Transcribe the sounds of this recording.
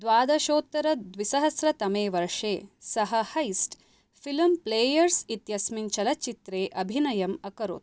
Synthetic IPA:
d̪ʋaːd̪ɐʃoːt̪ːɐɾɐd̪ʋisɐɦɐsɾɐt̪ɐmeːʋɐɾʂeːsɐɦɐhɐjsʈ | filmpleːjɐɾsit̪jɐsmint͡ʃɐlɐt͡ʃit̪ɾeːʔɐbʱinɐjɐmɐkɐɾo̰ːt̪̚

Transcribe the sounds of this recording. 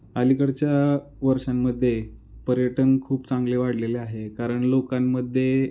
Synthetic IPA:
əlikəɽt͡ɕja | ʋəɾʂamːəd̪ʱːje | pəɾjəʈənkʰuːpt͡sãŋɡleʋaɽ̤leleaɦekaɾəɳlokamːəd̪ʱːje

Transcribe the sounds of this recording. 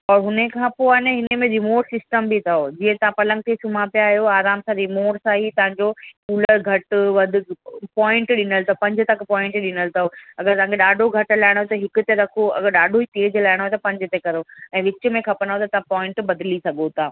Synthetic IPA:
ɔːɾɦʊnekʰãːpoaːneɦɪnəmẽɾɪmoːʈsɪsʈəmbit̪ʰɐɦoːd͡ʑiːə̃t̪ɐʋãpɐlə̃ŋɡ̚t̪ʰisʊmapijaːɦjoaːɾaːmsãɾimoːʈsaːɦit̪ɐʋãɲd͡ʑokuːləɾɡʱɐʈʋɐd̪ʱʊpɔ̃ːɪ̃ɳʈɗɪnəlt̪ʰɐɦopɐ̃ɲd͡ʑʱʊ̆t̪ɐkpɔːɪ̃ɳʈɗɪnəlt̪ʰɐɦoɐɡəɾt̪ɐʋ̤ãkʰeɗaːɖʱoɡʱɐʈlaːɪɽ̃oet̪ɐɦɪkʊt̪eɾɐkʰoɐ̰ɡəɾɗaːɖʱoit̪eːd͡ʑlaːɪɽ̃oːet̪ɐpɐ̃ɲd͡ʑʱʊt̪ekɐɾoɛ̃ːʋɪt͡ɕʊ̆mẽkʰɐpɐ̃naɦot̪ɐt̪ɐʋãpɔ̃ːɪ̃ɳʈbɐd̪lisɐɡot̪ʰaː

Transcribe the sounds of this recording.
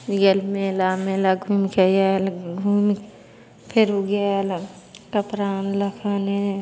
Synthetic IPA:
jelmelameːlaɡʱumkejelɡʱum | pʰeɾuɡela | kəpɾaːnləkʰane

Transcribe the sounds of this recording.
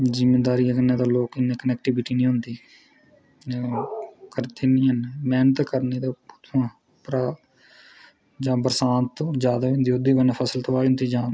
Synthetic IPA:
zɪmːeːd̪aːɾiːãːkənːẽːd̪aːloːkɪnːẽːkənɛk̚ʈɪbɪʈiːnĩːɦʊ̃nd̪iː | kəɾt̪ʰiːnĩːɦənmɛːnət̪kəɾneːt̪aʊt̪ʰːãː | pɾaː | d͡ʒãːbəɾsãːnt̪ːd͡ʒjaːd̪aːʊ̃nd̪iːod̪iːbənːpʰəsəlt̪õːaːiɦʊnd̪iːd͡ʒãː

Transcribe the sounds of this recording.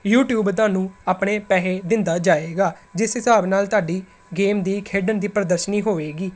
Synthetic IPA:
juːʈjuːbt̪aːnũːaːpɳeːpɛːɦeːd̪ɪnd̪aːd͡ʒaːeːɡaːd͡ʒɪsɦɪsaːbnaːlt̪aːɖiː | ɡeːmd̪iːkʰeːɖənd̪iːpɾəd̪əɾʃəniːɦoːʋeːɡiː

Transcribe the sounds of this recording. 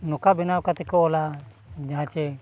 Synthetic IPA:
nukabinawkat̪ɛkoːla | d͡ʒaɦãt͡ʃɛ

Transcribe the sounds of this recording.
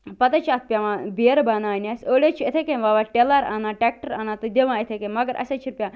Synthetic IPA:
pɐt̪ɐt͡ʃʰaːt̪̚ʰpʲjaʋãːbeɾbaːnaːnʲasoːlʲet͡ʃʰuet̪ʰekenʋaːʋaːʈelɐɾa̰ːnaːʈɛk̚ʈəɾaːnaːt̪ɨd̪ʲeʋãːet̪ʰekemɐɡəɾʔɐ̰sʲet͡ʃʰiɾpʲjaː

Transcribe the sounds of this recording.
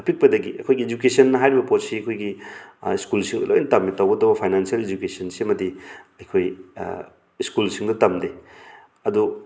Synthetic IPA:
ɐpik̚pɐdɐɡiɐ̰kʰojɡied͡ʒukesɐnːɐɦajɾibɐpot̚siɐkʰojɡiiskulsiŋdɐlo̰jnɐtɐmːitawɡɐdɐwbɐpʰajnansiɐled͡ʒukesɐnsimɐdiɐjkʰoj | iskulsiŋdɐtɐmde | ɐdu

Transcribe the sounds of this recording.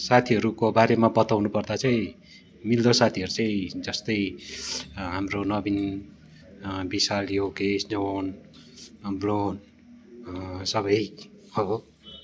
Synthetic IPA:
sat̪ʰiɦʌɾukobaɾemabʌt̪awnupʌrd̪at͡saĩ | mild̪osat̪ʰiɦʌɾut͡saĩd͡zʌst̪ʌj | ɦamronʌbin | bisaljokesnʌn | blon | sʌβʌj | ʌbʌ

